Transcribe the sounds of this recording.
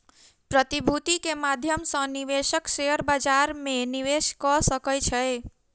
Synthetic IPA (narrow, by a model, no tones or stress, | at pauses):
pɾət̪ibʱut̪ikemad̪ʱjəmsə̃niʋeʃəkseɦəɾbad͡ʒaɾmẽniʋeʃkɔsəkəlt͡ʃʰəe